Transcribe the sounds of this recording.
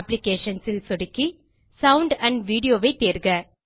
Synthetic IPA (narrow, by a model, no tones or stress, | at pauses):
plɪkeːʂɐnsɪlsɔɽɪkːi | sɐʊɳɖɐɳɖʋiːɽɪjoːʋɐɪt̪ːeːɾɡɐ